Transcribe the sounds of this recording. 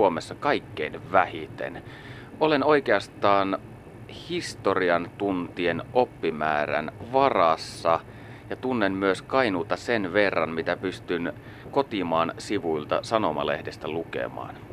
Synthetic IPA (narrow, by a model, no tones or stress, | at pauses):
omesːɑkɑikːeinʋæhit̪ḛn | oleno̞ikeɑst̪ɑːn | hist̪oriɑnt̪unt̪ienʔopːimæːɾæ̰nʋɑrɑsːɑ | jɑt̪unːemmyøskɑinult̪ɑsenʋerːɑnmit̪æpyst̪yn | kot̪imɑːnsiʋuilt̪ɑ̰sɑnomɑ̰lḛhdest̪ælukḛmɑ̰ːn